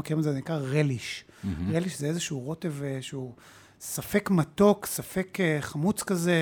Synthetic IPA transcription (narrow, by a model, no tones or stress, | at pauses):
kiʁimazezenikʁaʁeliʃ | ʁeliʃzeezeʃuʁo̞t̪e̞veʃeu | safe̞kmato̞ksafekeχamut͡skaze